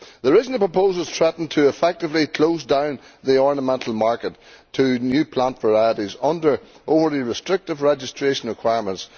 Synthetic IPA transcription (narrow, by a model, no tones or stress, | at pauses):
ðəɹɪzn̩əpʰɹ̥əpʰoːzəlˠz̥tʰɹ̥ɛʔn̩tʰəɪfɛk̚tɪvlikʰl̥oʊsdãʊ̃nðiɔɹnəmɛ̃ntʰˡəl̩ˠmaɹkətʰ | ənjʉːpʰl̥ãntv̥ə˞aɪəɾizʌ̃ndə˞ | ʔovə˞ðiɹɪstɹ̥ɪk̚tɪvɹɛd͡ʒɪstʰɹ̥eʃə̃nɹɪkʰw̥aɪəɹmə̃nts